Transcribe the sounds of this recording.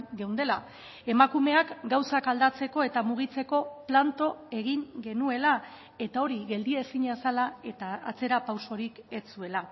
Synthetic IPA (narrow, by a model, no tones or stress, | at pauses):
ɡewnd̪e̞la | e̞makume̞akɡawsakald̪at͡se̞ko̞e̞t̪amuɣ̞it͡se̞ko̞plant̪o̞e̞ɣiŋɡe̞nue̞la | e̞t̪ao̞ɾiɣe̞ld̪iesiɲasalae̞t̪a̰ːt͡se̞ɾapawso̞ɾike̞t͡sue̞la